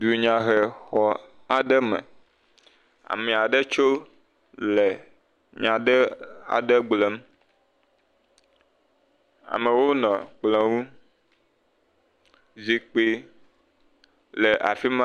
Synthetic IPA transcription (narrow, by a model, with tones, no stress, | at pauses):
du˨ɲã˨ɦe˨xɔ˦ | a˨ɖɛ˦mɛ̰̃˨ | a̰˨mɛ̃˨a˨ɖe˦t͡ʃo˦ | le˨ | ɲã˨ɖe˦a̰˨ɖe˦ɡ͡blɛ˨m˦ | a̰˨me˨wo˦nɔ̃˨k͡plɛ̃˨wu˦ | zi˨k͡pi˦ | le˨ʔa̰˨fi˦mã˦